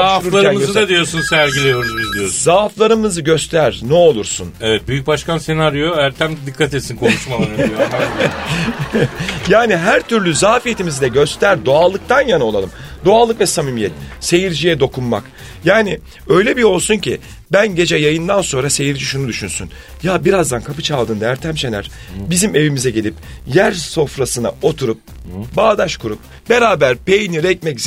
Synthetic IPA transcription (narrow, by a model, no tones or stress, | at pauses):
auɾuɾlˠaɾɯæmzd̪ad̪ijo̞ɾsunsæɾɟilʲejo̞ɾd̪umuzd̪ijoɾzaːflˠaɾɯmɯzɯɟø̞st̪ʰæɾnɛo̞lˠuɾsṵnevɛt̪̚byjyc̚baʃkanse̞naɾjoæɾt̪ʰæmd̪d̪ikʰːat̪et̪sinkʰonuʃmalaio | jaːniɦæɾt̪ʰyɾlʲyzaːfijet̪ʰimizd̪ɛɟø̞st̪ʰæɾd̪o̞alˠɯk̚t̪ʰanjano̞lˠalˠɯmd̪o̞alˠɯkvɛsamimijɛt̪̚se̞jiɾd͡ʒijɛd̪o̞kʰunma̰k | jaːnɪ | ø̞jlʲebio̞lˠsunci | bænɟe̞d͡ʒɛjajɯnd̪anso̞nɾase̞jiɾd͡ʒiʃunud̪yʃynsy̰n | jabiɾazd̪ankʰapɯt͡ʃʰalˠd̪ɯːnd̪aæɾt̪ʰæmʃenæ̰ɾ̥ | bizime̞vimizɛɟelʲip̚jæɾso̞fɾasɯna̰o̞t̪ʰuɾup̚ | baːd̪aʃkuɾup̚ | be̞ɾaːbæɾpe̞jniɾɛcmɛcz